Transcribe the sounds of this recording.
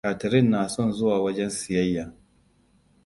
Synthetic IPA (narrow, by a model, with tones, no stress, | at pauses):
aː˨tɐ˨ɾɪ˦nːaː˨sɔ˦nzʊ˦waː˨wɐ˦d͡ʒɛ˦nsɪ˨jɐ˦jːaː˨